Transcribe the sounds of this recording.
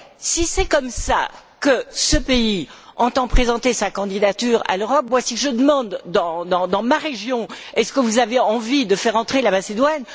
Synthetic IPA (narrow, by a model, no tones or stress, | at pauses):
sisɛkɔmsa̰kəsəpeiɑ̃t̪ɑ̃pχezɑ̃t̪esakɑ̃d̪id̪at̪yːʁa̰løʁɔp̚mwasiʒəd̪əmɑ̃d̪ːɑ̃d̪ɑ̃d̪ɑ̃maʁeʒjɔ̃ɛskəvuzaveɑ̃vid̪əfɛʁɑ̃t̪χelamased̪wan